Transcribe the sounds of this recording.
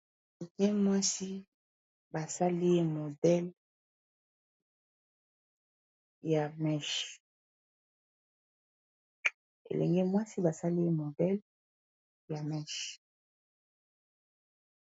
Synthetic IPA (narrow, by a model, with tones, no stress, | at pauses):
kɛ˦mwa˦si˦ | ba˨sa˦li˦e˦mo˨dɛ˦l | ja˨mɛ˦˨ʃ | ḛ˨lɛ̰˨ŋɡɛ˦mwa˦si˦ba˨sa˦li˦e˦mo˨dɛ˦l | ja˨mɛ˦˨ʃ